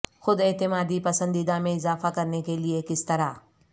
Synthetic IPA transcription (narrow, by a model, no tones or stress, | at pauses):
xʊd̪ɪːt̪ɪmaːd̪ipɐsə̃nd̪iːd̪amẽɪzaːfakɐɾnekeliekɪst̪ɐɾa